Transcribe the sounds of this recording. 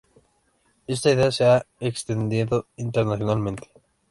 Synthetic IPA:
ist̪at̪aseaekst̪end̪iet̪oiɳʈeɾnasionalment̪e̥

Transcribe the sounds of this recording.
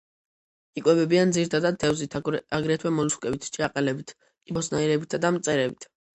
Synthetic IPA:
ikʼwɛbɛbiand̪ziɾt̪ʰad̪ad̪̚d̪ɛvzit̪ʰaɡɾɛt̪ʰwɛmɔluskʼɛbit̪ʰt͡ʃʰɛaqʼɛlɛbit̪ʰ | kʼibɔsnaiɾɛbit̪ʰad̪amt̪sʼɛɾɛbit̪ʰ

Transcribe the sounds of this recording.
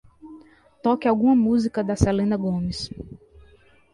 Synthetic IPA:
t̪ɔkɪawɡũmɐmuzikɐd̪ɐsɛlẽnɐɡõmɪs

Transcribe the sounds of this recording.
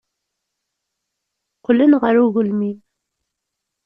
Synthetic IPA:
qəlːənʁəɾuɣʊlmin

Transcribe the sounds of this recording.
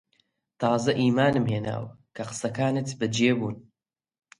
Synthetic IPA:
t̪ʰɑːzɐʔiːmaːnɨmɦeːna̰ːwɐkʰɐqɨ̥sɐkaːnɨt̪bɨd͡ʒeːbuːn

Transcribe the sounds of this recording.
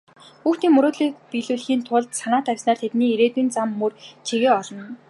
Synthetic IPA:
xuːxt̪iːŋmɵɾoːt̪ɮiːk̚piɮuːɮxiːnt̪ʰʊɮt̪sanaːt̪ʰæwʲsnaːrt̪ʰet̪niːeɾeːt̪uːnt͡samːɵrt͡ɕʰeɣeːɔɮɞ̆n

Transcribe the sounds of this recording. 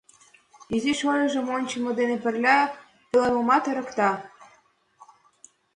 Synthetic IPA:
iziʃojʲɤʒə̆monʲt͡ɕə̆mɤ̆d̪enepə̆rlʲɑ | pelenəmɑt̪ĕɾə̆kt̪ɑ

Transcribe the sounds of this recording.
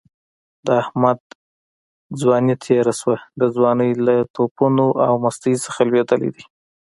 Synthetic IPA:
d̪̥əahmad̪ | d͡zwɑnit̪ʰeɾaswad̪əd͡zwɑnəjlat̪ʰopunoʔawmast̪əjsə̥xalwed̪əlḛd̪i

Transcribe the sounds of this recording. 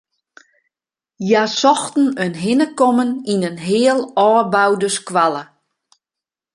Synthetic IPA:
jasɔxtn̩ønɦɪnəkɔməninənɦɪːəlˠɔːbawdəskʋalˠə

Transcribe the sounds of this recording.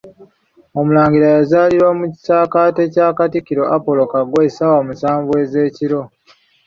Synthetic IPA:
o̞mulaːŋɡiɾajazaːliɾwamuci̥saːkaːte̞caːkatikiɾo̞ʔapo̞lo̞kaɡwe̞sawamusaːɱvwe̞ːze̞ːciɾo̞

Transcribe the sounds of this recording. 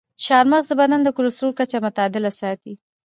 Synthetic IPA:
ʃɑɾmaɣzəbanand̪əkʊlosɾoɾkat͡ʃamʊt̪ɑd̪ɪlasɑt̪i

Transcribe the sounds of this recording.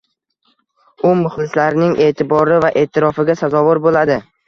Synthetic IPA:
ʊmʊχlɪslaɾnɪŋʔe̞ːt̪ʰɪbɒɾɪvaʔe̞ːt̪ʰɪɾɒfɪɡʲasazɒvʊɾbolad̪ɪ

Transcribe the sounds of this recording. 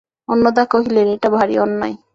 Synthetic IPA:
ɔnːod̪akoɦileɾeʈabʱaɾḭɔnːɔj

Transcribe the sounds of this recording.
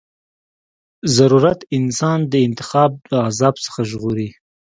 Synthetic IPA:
zaɾuɾat̪ɪnsɑnd̪əɪnt̪ɪ̥xɑb̚d̪əazɑbsə̥xaʒɣoɾi

